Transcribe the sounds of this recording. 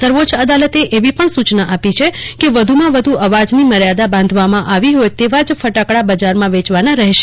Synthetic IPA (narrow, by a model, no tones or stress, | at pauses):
səɾʋot͡ʃəd̪alət̪eʔeʋipəɳsut͡ʃnaʔapit͡ʃʰekeʋəd̪ʱumãʋəd̪ʱuʔəʋad͡ʒniməɾjad̪abãnd̪ʱʋamãʔaʋiɦojt̪eʋad͡ʒfəʈakɽabəd͡ʒaɾmãʋet͡ʃʋanaɾəɦeʃe̥